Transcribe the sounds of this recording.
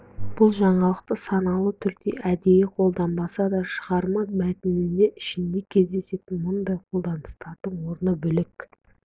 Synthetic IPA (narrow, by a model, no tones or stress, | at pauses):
b̥ʊlˠʒɑɴɑlˠəq̚t̪əsɑnɑlˠət̪ʰʏɾkt̪ḛʔæd̪e̞jɪqʰo̞lˠd̪ɑnbɑsɑd̪ɑʃəʁɑɾmɑmæt̪ɪmɪnd̪e̞ʔɪʃɪnd̪e̞kʲʰe̞zd̪e̞se̞t̪ɪnmʊnd̪ɑjqʰo̞lˠd̪ɑnəst̪ɑɾd̪əɴwo̞ɾənəbʏlɪk